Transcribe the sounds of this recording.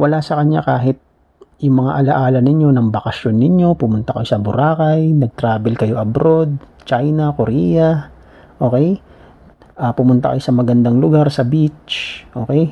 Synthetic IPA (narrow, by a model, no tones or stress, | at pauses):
wɐlasɐkɐɲa̰kaːɦɪt̪̚ | jʊŋmɐŋa̰ʔɐlɐʔaːlɐnɪɲjo̞nɐŋbɐkɐʃjo̞nːɪɲjo̞pʊmʊnt̪ɐkɐjo̞sɐbʊɾaːkɐjnɐɡ̚t̪ɾaːbɛlkɐjo̞ʔɐbɾo̞d̪̚ | t͡ʃajnɐkoɾijɐ | ʔo̞ːkɛj | ʔaːpʊmʊnt̪ɐkɐjosɐmɐɡɐnd̪aŋlʊɡaɾsɐbit͡ʃʔo̞ːkɛj